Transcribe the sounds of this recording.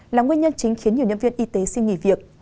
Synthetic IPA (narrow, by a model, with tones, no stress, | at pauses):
laː˨˩ŋwənɲə˧nt͡ɕï˨˦ŋ̟xnɲi˨˩ɲə˧nvi˧ənʔi˧t̪e˨˦si˧nŋḭ˧˩vi˨˩ək̚